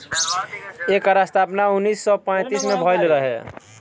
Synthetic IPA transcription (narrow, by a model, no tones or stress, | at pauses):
ekɾast̪ʰapnaunːisːɔpãjt̪ismebʱɔjlɾəɦe